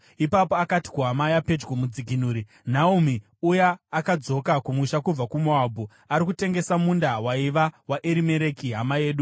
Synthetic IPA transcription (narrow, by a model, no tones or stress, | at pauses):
ipapo̞akati̥kuɦamajape̞d͡ʒɡomud͡ziɡʱinuːɾi | n̤aumi | ujaːkad͡zo̞kakumwiʃakub͡vakumoabʱu | aɾikute̞ŋɡe̞samundawaiʋawaʔeɾime̞ɾe̞kiɦamaje̞ːɗu